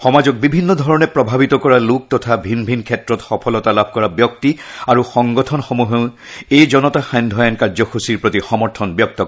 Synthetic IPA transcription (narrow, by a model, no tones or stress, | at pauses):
xɔmazɔk̚bibʱinːɔd̪ʱɔɹɔnɛpɹɔbʱabitɔkɔɹaluk̚tɔtʰabʱinbʱinkʰɛtɹɔtxɔpʰɔlɔtalabʱkɔɹabjɔk̚tiaɹuxɔŋɡɔtʰɔnxomuɦeʊ̃ | ejzɔnɔtaxajnd̪ʱɔjankaɹzɔxusiɹpɹotixɔmɔɹtʰɔnbjɔk̚tɔk